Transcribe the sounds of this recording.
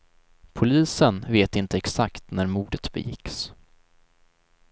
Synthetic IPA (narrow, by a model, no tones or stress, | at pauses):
pʰʊliːsənveːt̪ɪnt̪əɛksakt̪næɾmuːɖət̪bɛ̰jɪ̰ks